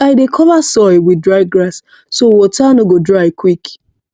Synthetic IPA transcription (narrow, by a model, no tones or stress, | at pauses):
aɪdekʰɔvasɔɪwidɹaɪɡɾasː | owɔtʰanoɡodɹaɪkwik